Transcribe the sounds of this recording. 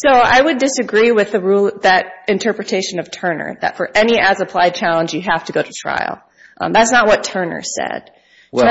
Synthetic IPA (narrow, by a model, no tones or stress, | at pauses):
soʊa̰ɪwɨdɨsɨɡɹiwɪðɨɹulˠðɨɾɨ̃ntʰɜ˞pɹɨtʰeɪʃɨ̃nʌv̥tʰɜ˞nə̰˞ðɨ̰tfə˞ʔɛniæzəpʰl̥aɪd̚t͡ʃʰælˠə̃nd͡ʒjɨɦæftɨɡoʊɾɨtʰɹ̥a̰ɪl̩ˠ | ðætsnət̚wʌtʰɜ˞nə̰˞sɛ̰d̥